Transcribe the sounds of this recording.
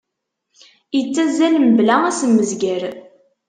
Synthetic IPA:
jət͡sːæzːæləmblææsəmːəzɡæɾ

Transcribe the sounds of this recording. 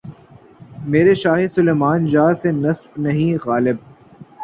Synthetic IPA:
meːɾeʃaːɦesʊleːmaːnd͡ʒaːsenɐsbnɐɦĩɣaːlɪb̚

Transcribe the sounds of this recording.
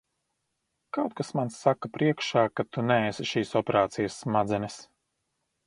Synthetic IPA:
kawt̪̚kasmansːakapɾiɛkʃaːkat̪unɛːsiʃiːsɔpʲɛɾaːt̪sijasːmad̪zɛnɛs

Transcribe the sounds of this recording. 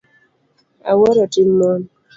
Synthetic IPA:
a̰wɛɾɔtinːɔn

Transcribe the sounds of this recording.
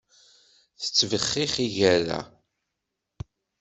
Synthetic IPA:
θə̥t͡sːvəχːiχiʝæɾæ̰

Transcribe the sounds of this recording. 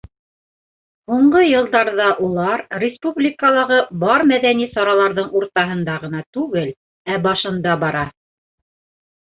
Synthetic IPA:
huɴɢɤjɤ̆lˠd̪ɑɾðɑʔulˠɑɾɾʲɪspublʲikəlˠɑʁɤbɑɾmæðænisɑɾɑlˠɑɾðɤɴuɾt̪ɑɦɤ̆nd̪ɑʁɤ̆n̪ɑt̪ʉɡɘl | æbɑʃɤ̆nd̪ɑbɑɾɑ

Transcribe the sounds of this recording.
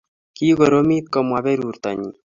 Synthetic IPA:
kiɡɔɾomit̪̚kɔmwabeɾuːɾt̪a̰ɲi

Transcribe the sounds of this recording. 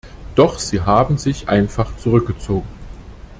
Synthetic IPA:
d̥ɔχz̥iːɦaːbm̩zɪçʔa̰ɪnfaχt͡suʁʏk̚ɡ̥ət͡soːɡŋ̩

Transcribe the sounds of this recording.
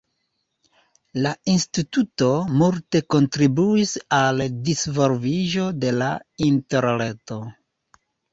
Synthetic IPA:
laʔinstituto̞multe̞ko̞ntɾibuisaldisvo̞lviʒo̞de̞lainteɾɾe̞to̞

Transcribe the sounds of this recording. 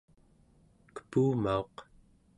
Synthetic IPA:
kə̥puːmao̞q

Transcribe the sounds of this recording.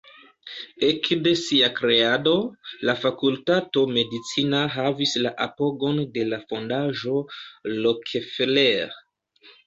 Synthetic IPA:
ekde̞siakɾe̞ado̞lafakultato̞me̞dit͡sinaɦavislaʔapo̞ɡo̞nde̞lafo̞ndaʒo̞lo̞kʰefeleɾ

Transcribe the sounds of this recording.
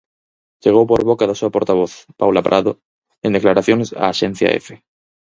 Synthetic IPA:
ʎeɣ̞owpoɾβokaðasuapoɾt̪aβ̞oθpawlapɾʔaðo | end̪eklaɾaθjonesa̰ːʃẽn̟θja̰ʔḛfe

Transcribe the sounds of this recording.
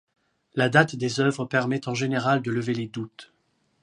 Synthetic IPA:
lad̪at̪d̪ezœvʁəpɛʁmɛt̪ɑ̃ʒeneʁald̪ələveled̪ut̪

